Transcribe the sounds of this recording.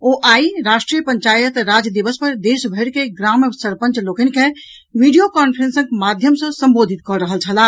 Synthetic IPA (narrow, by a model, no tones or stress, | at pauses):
oʔaiɾaʃʈɾijəpəɲt͡ʃajət̪ɾad͡ʒəd̪iʋəspəɾd̪esbʱəɽkeɡɾamsəɾpə̃nt͡ʃlokenkẽ | ʋiɖijokanpʰɾẽnsə̃ŋkmad̪ʱjəmsə̃səmbod̪ʱit̪kɔɾəɦəlt͡ʃʰəla